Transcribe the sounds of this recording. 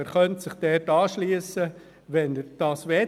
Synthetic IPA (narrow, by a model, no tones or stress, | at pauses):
əɾχœntsɪχd̥ɛɾtɑːʃliːəsə | ʋɛnd̥ɑːsʋɛ